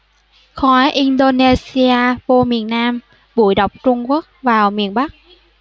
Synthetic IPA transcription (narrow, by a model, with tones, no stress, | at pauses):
xɔ˨˦jʔi˧nɗo˧ne˧si˧aː˧vo˧mi˨˩ənːaː˧m | ɓu˧˩jɗə˨˩wk͡p̚t͡ɕʊ˧ŋ͡mku˦˥ək̚vaː˨˩wmi˨˩ənɓa˦˥k̚